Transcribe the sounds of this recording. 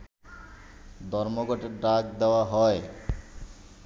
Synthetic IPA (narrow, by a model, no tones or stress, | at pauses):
d̪ʱɔɾmoɡɔʈeɾɖɾak̚d̪eoaɦɔe